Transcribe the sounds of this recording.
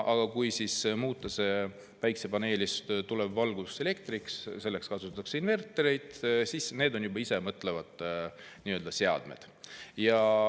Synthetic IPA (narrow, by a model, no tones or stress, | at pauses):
ʔɑɡ̥ɑkujsismuːt̪ːˑɑse̞ | pæjksepɑne̞ːlist̪t̪ulebvɑlɡud̪use̞le̞kt̪ɾiksse̞lːe̞kskɑsut̪ɑɑkseinve̞rt̪ːˑeɾejd̪̥sisne̞ːd̪o̞njubɑisemɤt̪ːˑle̞vɑd̪̥ | niːøld̪̥ɑse̞ɑ̰d̪̥mḛd̪̥ | jɑ